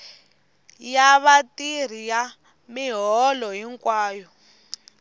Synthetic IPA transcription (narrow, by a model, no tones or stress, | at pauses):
jaβatir̤ija | miɦɔlɔɦiŋkʼwaːjɔ